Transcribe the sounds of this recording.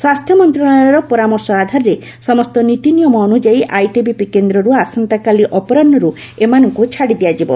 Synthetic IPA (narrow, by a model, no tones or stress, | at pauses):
swast̪ʰjɔmɔnt̪ɾɔɭaɔɾɔpɔɾamɔɾsɔad̪ʱaɾɾe | sɔmɔst̪ɔnit̪inijɔmɔːnud͡ʒaiʔajʈibipikend̪ɾɔɾuasant̪akaliʔɔpɔɾanːɔɾu | emanɔŋkut͡ʃʰaɽid̪ijad͡ʒibɔ̰